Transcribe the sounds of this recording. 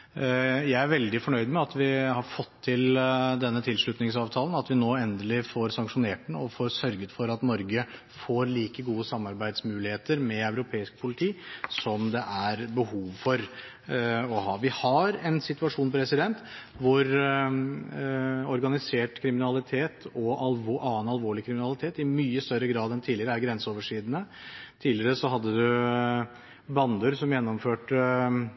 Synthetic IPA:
jæɪæɾʋɛld̪ɪfɔɳœʏd̪mɛɑt̪ʋɪhɑɾfɔt̪ʰːɪld̪ɛnːət̪ʰɪlʂɭʉt̪nɪŋsɑːʋt̪ʰɑːlənɑt̪ʋɪnoːɛnd̪əlɪfoɾsɑŋkʂʊneːʈɳɔfoːɾsœɾɡət̪fɔɾɑt̪nɔɾɡə | foːɾliːkəɡuːəsɑmːɑɾbæɪd̪smʉːlɪheːt̪əɾmɛœʉɾʊpʰeːɪsk̚pʰʊlɪt̪ʰiːsɔmd̪ɛʔæɾbəhuːʋfɔɾ | ɔhɑʋɪhɑɾɛnsɪt̪ʉɑʂuːnpʰɾɛsɪd̪ɛnt̪ | ʋʊɾ | ɔɾɡɑnɪseːʈkʰɾɪmɪnɑlɪt̪ʰeːt̪ʰɔʔɑlʋʔɑːənɑlʋoːɭɪkʰɾɪmɪnɑlɪt̪ʰeːt̪ɪmyːəst̪œɾːəɡɾɑːd̪ɛnt̪ʰiːlɪəɾəæɾɡɾɛnsəɔːʋəʂiːd̪ənə | t̪ʰiːlɪɾəsɔɦɑd̪ːəd̪ʉ | bɑnd̪ʉɾsɔmjɛnːɔmføːʈə

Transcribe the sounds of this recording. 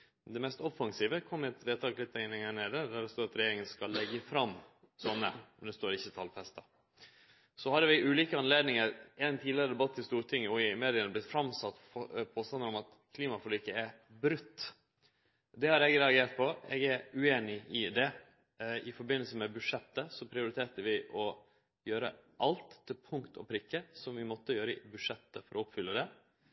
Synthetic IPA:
d̪ɛmɛst̪ɔfːɑŋsiːʋəkʰɔmːɛt̪ʋeːt̪ʰɑːklɪt̪ʰːænɪŋhæːɳeːd̪əd̪æɖɛst̪oːɾɑt̪ɾɛjeːɾɪŋənskɑlːɛɡːəfɾɑm | sɔnːə̰nd̪ɛst̪oːɾɪçːət̪ʰɑlfɛst̪ɑ | sɔhɑɾʋɪʔʉːliːkəɑnleːd̪nɪŋəɾɛnt̪ʰiːlɪəɾəd̪ɛbɑt̪ːɪst̪uːɾʈ̪ʰɪŋːəɔɪmeːd̪ɪənəblɪt̪fɾɑmsɑt̪ː | ɔpʰoːst̪ɑnəɾɔmɑt̪ | kʰliːmɑfɔlyːkəæɾ | bɾʉt̪ː | d̪ɛhɑɾɛɡɾɛɑɡeːɾʈ̪̚pʰɔɛɡæɾʉeːnɪʔɪd̪ɛ | ɪfɔɾbɪnəlsəmɛbʉʂɛt̪ːəsɔpʰɾɪʊɾɪt̪ʰeːt̪əʋɪʔɔ | jøːɾə̰ʔɑlt̪ʰːɪlpʰʊŋkt̪ʰɔ̰pʰɾɪkːəsɔmʋɪmɔt̪ːəjøːɾəbʉʂɛt̪ːəfɔɾʔɔɔpfʏlːəd̪ɛ

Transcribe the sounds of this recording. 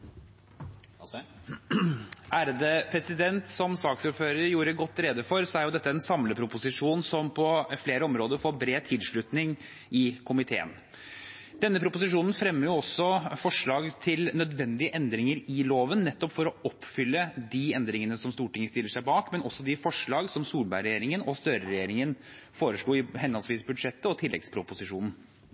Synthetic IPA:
ʔæːɾd̪əpʰɾɛsɪd̪ɛnt̪sɔmsɑːksʊɾføːɾəɾjuːɾəɡɔt̪ːɾeːd̪əfɔɾsɔæɾjʊd̪ɛt̪ːəɛnsɑmləpʰɾʊpʊsɪʂuːnsɔmpʰɔfleːɾəɔmɾoːd̪əɾfoːɾbɾeːt̪ʰɪlʂɭʉt̪nɪŋ | ɪkʰʊmɪt̪ʰḛːə̰n | d̪ɛnːəpʰɾʊpʊsɪʂuːnn̩fɾɛmːəɾjʊɔsːɔfɔʂɭɑːɡt̪ʰɪlnœd̪ʋɛnd̪ɪəʔɛnd̪ɾɪŋəɾɪloːʋənnɛt̪ːɔpfɔɾɔɔpːfʏlːəd̪ɪɛnd̪ɾɪŋənəsɔmst̪uːʈɪŋːəst̪ɪlːəʂæɪbɑːkmɛnɔsːɔd̪ɪfɔʂɭɑːɡsɔmsuːɾbæɪɾɛjeːɾɪŋənɔst̪œɾəɾɛjeːɾɪŋənfoːɾəʂɭuːɪɦɛnɔlsʋiːsbʉd̪ʂɛt̪ːəɔt̪ʰɪlːɛ̰ɡspʰɾʊpʊsɪʂuːnn̩

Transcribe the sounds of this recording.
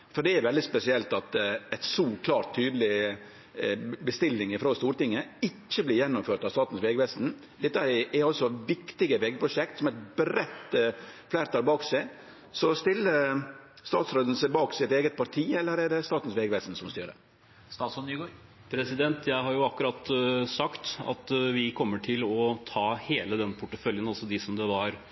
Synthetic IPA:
fɔɖɛæɾʋɛld̪ɪspɛsɪɛlt̪ɑt̪æɪt̪suːkʰlɑːɾt̪ʰːyːd̪əlɪ | bəst̪ɪlːɪŋɪfɾoːst̪uːɾt̪ɪŋːəɪcːəblɪːɾjɛnːʊmføːʈ̪ɑʋst̪ɑːt̪n̩sʋeːɡʋɛsn̩ | d̪ɛt̪ːəɛɾɑlsɔʋɪkt̪ɪɡəʋeːɡəpʰɾʊʂɛkt̪sɔmɛɪt̪̚bɾɛt̪ːflæːɾət̪ʰɑːlbɑːksæɪ | sɔst̪ɪlːə | st̪ɑ̰ːt̪sɾoːd̪ən̩sɛɪbɑːksɛɪɛt̪eːɡət̪̚pʰɑɾt̪ʰiːɛlːəɾæɖɛst̪ɑːt̪n̩sʋeːɡəʋɛːst̪n̩sɔmst̪y̰ːɾə̰ | ssɔ | pʰɾɛsɪd̪ɛnt̪ʰjæɪɦɑɾjʊɑkʉɾɑt̪ːsɑkt̪ɑ̰t̪ʋɪkʰɔmːəʈʰɪlɔt̪ʰɑːheːləd̪ɛnpʰʊʈːəfœljənɑlsɔd̪ɪsɔmd̪ɛʋɑɾ

